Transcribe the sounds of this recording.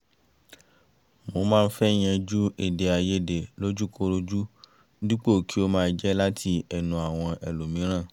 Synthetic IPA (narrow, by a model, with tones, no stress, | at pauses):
mo˧˦mãː˦˧n̩˦fɛ˦j̃ɛ̃˧d͡ʒu˦e˦˨de˨a˨˧je˦˨de˨lo˦d͡ʒu˦ko˧˦ɾo˧d͡ʒu˦ | di˦k͡po˦˨kʰi˦o˦mãː˦˧d͡ʒɛ˦la˦tʰi˧ɛ˨nũ˨a˨w̃ɔ̃˧ɛ˨lo˨mĩ˨˦ɾ̃ã˦˨